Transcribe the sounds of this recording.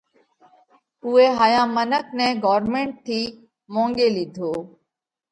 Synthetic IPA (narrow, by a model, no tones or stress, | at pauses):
ʊːeːɦaːjãːmənək̚nɛ̃ːɡɔːɾmẽːɳʈ̚t̪ʰiː | mõːŋɡeːlid̪ʱoː